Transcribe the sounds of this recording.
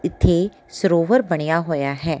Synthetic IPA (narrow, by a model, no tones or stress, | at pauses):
ɪt̪ʰːe | səɾoːʋəɾbɐɽ̃ɪjaɦoːjaɦɛː